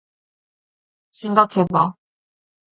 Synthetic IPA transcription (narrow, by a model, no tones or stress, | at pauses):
sʰeŋɡakʰeba